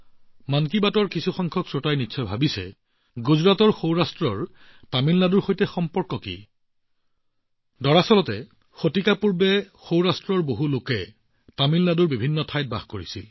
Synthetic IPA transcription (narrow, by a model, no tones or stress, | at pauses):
mankibatɔɹkisuxɔŋkʰɔksɹotajnitːsʰɔjbʱabisɛ̰ | ɡuzɹatɔɹxowɹastɹɔɹ | tamilnaduɹxojtɛxɔmpɔɹkɔkḭ | dɔɹasɔlɔtɛ | xotikapuɹbɛ | xowɹastɹɔɹboɦulokɛ | tamilnaduɹbibʱinːɔtʰajt̚ba̰xkoɹisḭl